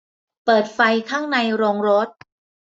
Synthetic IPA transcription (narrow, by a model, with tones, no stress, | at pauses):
pɤː˨˩t̪̚fa˧jkʰaː˥˩ŋna˧jɾoː˧ŋɾo˦˥t̪̚